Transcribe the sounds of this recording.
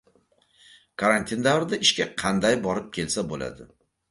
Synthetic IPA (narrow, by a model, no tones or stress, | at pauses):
kʰaɾant̪ʰind̪avɾɪd̪aʔɪʃkʲaqʰɑnd̪ajbɒɾɪp̚kʲʰe̞lsabola̰d̪ɪ